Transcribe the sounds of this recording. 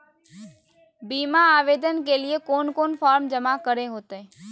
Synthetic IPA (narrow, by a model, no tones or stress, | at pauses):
biːmaaːʋeːd̪ənkeliekoːnkoːnfʰɔːɾmd͡ʒəmakəɾeɦoːt̪ee